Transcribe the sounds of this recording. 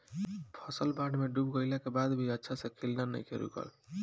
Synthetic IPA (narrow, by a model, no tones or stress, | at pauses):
pʰʌsəlbaɖmeɖubɡəjlakebad̪bʱiətːʃʰasʌ̃kʰilnanə̰jkʰeɾṵkə̰l